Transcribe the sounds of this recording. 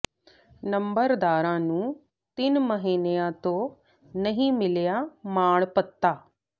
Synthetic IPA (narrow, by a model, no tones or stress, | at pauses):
nɐmbəɾd̪aːɾãːnũː | t̪ɪnmɐɦiːnejãt̪o | nɐɦĩmɪljamaːɳ̃pɐt̪ːaː